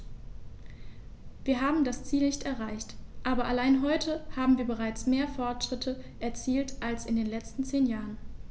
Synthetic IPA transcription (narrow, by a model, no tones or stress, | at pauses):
viːɐɦaːbm̩dast͡siːlnɪçtɛɐʁaɪçtʔaːbɐʔalaɪnɦɔʏtʰəhaːbm̩viːɐbəʁ̞aɪt͡smeːɐfɔɐtʃʁ̥ɪtʰəʔɛɐt͡siːltʔalsɪndeːnlɛt͡stn̩t͡seːnjaːʁən